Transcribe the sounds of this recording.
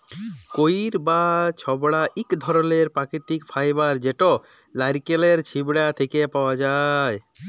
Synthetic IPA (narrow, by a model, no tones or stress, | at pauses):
koiɾbat͡ɕʰɔbɽaʔikd̪ʱɔɾoleɾpakit̪ikfʰajbaɾd͡ʑeʈo | lajɾkeleɾt͡ɕʰibɽat̪ʰekepaoad͡ʑae